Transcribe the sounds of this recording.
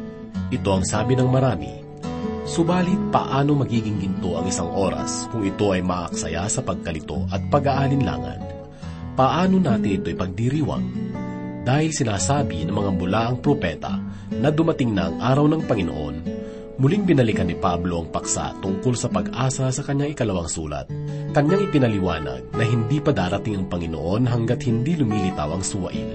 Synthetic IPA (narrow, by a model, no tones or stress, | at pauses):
ʔɪt̪o̞ɐŋsaːbɪnɐŋmɐɾaːmḭ | sʊbaːlɪt̪̚pɐ̰ʔaːno̞mɐɡiːɡɪŋɡɪnt̪o̞ʔɐ̰ŋɪisaŋʔo̞ːɾɐ̰skʊŋɪt̪o̞ʔɐjmɐʔɐksɐ̰ja̰sɐpɐɡ̚kɐlɪt̪o̞̰ʔɐt̪̚pɐɡaʔalɪnla̰ːŋɐ̰n | pɐʔaːno̞naːt̪ɪnʔɪt̪o̞jpɐɡ̚d̪iɾiːwɐ̰ŋ | d̪aːhɪlsɪnaːsaːbinɐŋmɐŋamʊlaʔɐŋpɾopɛːt̪ɐ̰ | nɐd̪ʊmɐt̪ɪŋnɐ̰ɐ̰ŋʔaːɾɐwnɐŋpɐŋɪnoʔo̞n | mʊliŋbɪnɐlɪkɐnːɪpablo̞ʔɐŋpɐksa̰t̪ʊŋko̞lsɐpɐɡʔaːsɐsɐkɐɲːaŋɪkɐlɐwaŋsṵːlɐ̰t̪̚kɐɲːaŋɪpɪnɐlɪwaːnɐ̰ɡ̚nɐɦɪnd̪ipɐd̪aːɾɐt̪ɪŋɐŋpɐŋɪno̰ʔo̞nɦɐŋɡat̪̚hɪnd̪ilʊmiːlɪt̪awɐŋsʊwɐ̰ʔḭl